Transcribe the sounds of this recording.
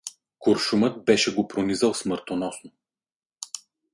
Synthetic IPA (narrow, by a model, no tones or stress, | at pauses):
koɾʃumət̪̚bɛʃɛɡopɾonizəlˠsmɤɾt̪onɔsno